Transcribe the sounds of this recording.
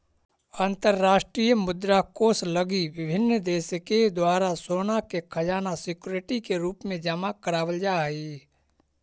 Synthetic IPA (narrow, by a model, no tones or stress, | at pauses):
aːnt̪əɾːaːʃʈɾijəmʊd̪ɾakoːsləɡiʋɪbʱɪnːd̪eːsked̪waːɾasoːnakekʰɐjaːnasɪkuɾeʈikeɾuːpmẽd͡ʒəmakəɾaːwəld͡ʒaːi